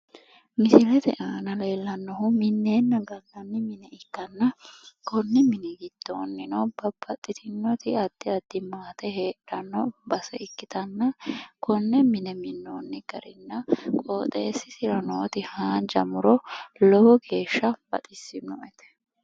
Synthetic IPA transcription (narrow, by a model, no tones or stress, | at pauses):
mɪsɪlɛt̪ɛ̰ʔaːnɐle̞ːlːɐnːɔhʊmɪnːe̞ːnːɐɡɐlɐnːɪmɪnɛɪkːɐnːɐkɔnːɪmɪnɪɡɪd̪̥ːo̰ːnːɪnɔbɐb̥ːɐt̪ʼːɪt̪ʰɪnːɔt̪ɪɐd̪̥ːɪɐd̪̥ːɪmaːt̪ɛɦe̞ːᶑɐnːɔbɐsɛɪkːɪt̪ɐnːɐkɔnːɛmɪnɛmɪnːoːnːɪɡ̥ɐɾɪnːɐkʼoːt̪ʼeːsːɪsɪɾɐnoːt̪ɪhaːnd͡ʒɐ̰mʊɾɔlɔwɔɡe̞ːʃːɐb̥ɐ̰t̪ʼɪsːɪnɔ̰ʔɛt̪ɛ̥